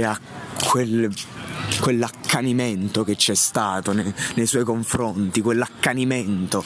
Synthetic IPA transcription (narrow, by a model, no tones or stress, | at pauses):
a | kʰwel | kːwelːakʰːaniment̪oket͡ʃːɛst̪aːt̪onenejswɔjkoɱfɾont̪ikwelːakːaniment̪o